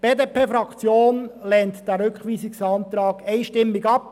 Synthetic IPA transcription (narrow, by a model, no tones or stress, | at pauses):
b̥eːd̪eːpʰeːfɾɑkt͡sjoːnlɛnt̪d̥æɾʏkχʋiːsɪksɑnt̪ɾɑːɡ̥ɛɪʃtɪmːɪɡɑp̚